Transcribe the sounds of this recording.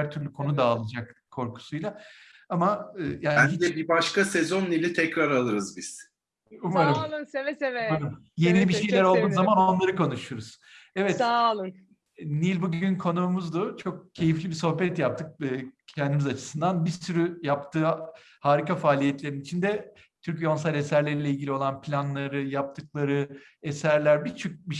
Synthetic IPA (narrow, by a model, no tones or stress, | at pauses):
æɾt̪ʰyɾlʲykʰo̞nud̪aːlˠad͡ʒakkʰo̞ɾkʰu̥sujlˠa | amaɯːjaːiid̪ɛbibaʃkasɛzo̞nːilʲit̪ʰɛcɾaɾalˠɯɾɯzbiz̥ | umaɾaɯnsevɛsevɛaɾm | je̞nilʲibiʃe̞jlʲæɾo̞lˠd̪uːzamanonlˠaɾɯko̞nuʃuɾuz̥ | ɛvɛt̪lˠɯ | nilʲbuɟynkʰo̞nuːmuzd̪ut͡ʃʰo̞k̚cʰe̞jiflʲibiso̞hbɛt̪jap̚t̪ʰɯk̚ːcʰɛnd̪imizat͡ʃʰɯ̥sɯnd̪anbiɾsyɾyjapt̪ʰɯː | haːɾikafaːlʲijɛt̪lʲe̞ɾinit͡ʃʰind̪ɛ | t̪ʰyɾcjo̞ns̬alʲe̞sæɾlʲeɾilʲeilʲɡɟilʲio̞lˠanpʰlʲanlˠaɾɯjap̚t̪ʰɯklˠaɾɯ | esæɾlʲæɾbit͡ʃʰyc̚biʃ